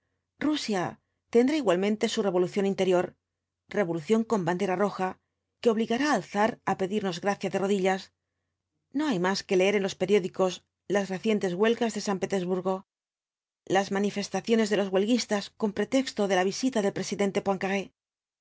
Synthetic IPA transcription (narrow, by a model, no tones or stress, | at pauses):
rusja | t̪e̞nd̪ɾaiɣwalmẽnt̪e̞sure̞βo̞luθjo̞nint̪e̞ɾjo̞ɾ | re̞β̞o̞luθjo̞ŋko̞mband̪e̞ɾaro̞xa | ke̞o̞β̞liɣaɾaːlθaɾape̞ðiɾno̞zɣɾaθjaðe̞ro̞ðiʎas | no̞ajmaske̞le̞e̞ɾe̞nlo̞spe̞ɾjo̞ðiko̞s | lasre̞θje̞nt̪e̞zɣwe̞lɣazðe̞sampe̞t̪e̞zβuɾɣo̞ | lazmanife̞st̪aθjo̞ne̞zðe̞lozɣwe̞lɣist̪asko̞mpɾe̞t̪e̞kst̪o̞ðe̞laβ̞isit̪aðe̞lpɾesiðe̞nt̪e̞pwaŋkaɣe